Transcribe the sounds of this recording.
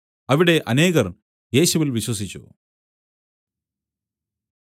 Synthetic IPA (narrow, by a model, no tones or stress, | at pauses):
ɐʋiɽe̞ʔɐne̞ːɣɐrn | je̞ːɕuʋilʋiɕwɐs̬it͡ɕːṵ